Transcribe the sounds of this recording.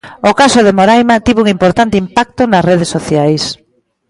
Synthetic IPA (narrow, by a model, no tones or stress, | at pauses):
okasoðemoɾajmat̪iβuŋimpoɾt̪ant̪ɪimpak̚t̪onɐsreð̞esːoθjajs